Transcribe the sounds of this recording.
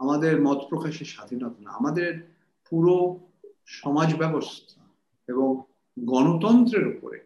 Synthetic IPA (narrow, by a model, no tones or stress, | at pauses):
amad̪eɾmɔt̪pɾokaʃeʃad̪ʱinɔt̪ana̰a̰mad̪eɾ | puɾo | ʃɔmad͡ʑbɛbost̪ʰa | eboŋ | ɡɔnot̪ɔnt̪ɾeɾupo̰ɾḛ